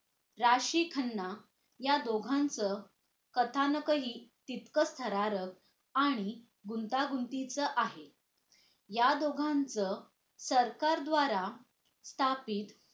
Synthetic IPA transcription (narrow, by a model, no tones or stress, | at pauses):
ɾaɕiːkʰənːa | jad̪oɡʱãnt͡sə | kət̪ʰanəkəɦiːt̪it̪kəst̪ʰəɾaɾək̚ | aɽ̃i | ɡunt̪aɡunt̪it͡səʔaɦe | jad̪oɡʱãnt͡sə | səɾkaɾd̪ʋaɾa | st̪ʰapiːt̪